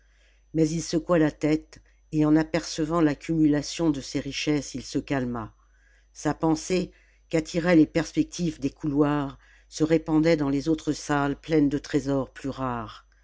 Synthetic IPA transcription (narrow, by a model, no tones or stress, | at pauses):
mɛzilsəkwalat̪ɛt̪ | eɑ̃napɛʁsəvɑ̃lakʲymylasjɔ̃d̪əseʁiʃɛsilsəkalma | sapɑ̃se | kat̪ʰiʁɛlepɛʁspɛk̚t̪ʰivd̪ekʰulwaʁ | səʁepɑ̃d̪ɛd̪ɑ̃lezot̪χəsalplɛnd̪ət̪χezɔʁplyʁaːʁ